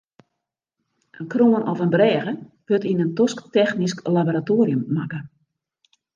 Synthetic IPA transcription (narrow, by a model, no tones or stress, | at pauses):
ʔənkroənʔɔfənbrɛːɣəʋ̥øtinəntɔsktɛxnisklaboɾatoːɾjəmːakə